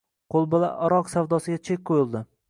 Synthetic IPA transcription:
qʰolˠbolˠa̰ʔɒɾɒqsawd̪ɒsɪɡʲat͡ʃʰek̚ʲqʰojɪlˠd̪ɪ

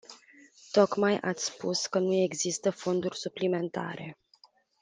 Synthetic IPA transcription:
t̪o̞kmajʔa̰t̪sʲspuskənue̞ɡzist̪əfo̞nd̪urʲsuplime̞nt̪a̰ɾe̞

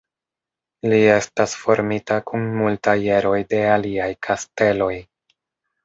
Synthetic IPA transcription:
lie̞stasfo̞ɾmitakunmultaje̞ɾo̞jde̞aliajkʰaste̞lo̞j

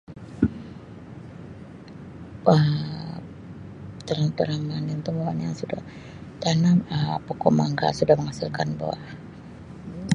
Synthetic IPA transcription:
ə | t̪əɾat̪əɾaŋanint̪umawanja̰ŋsudah | t̪anaəpokɔmaŋɡa̰sudahməŋasilkanba̰wa̰

